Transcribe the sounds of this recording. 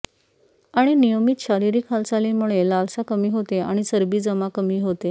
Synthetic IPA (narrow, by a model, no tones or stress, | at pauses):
aɽ̃inijəmit̪ɕaɾiɾiːkʰalsalemuɭelalsakəmiːɦot̪eaɽ̃isəɾbiːd͡zəmakəmiːɦot̪e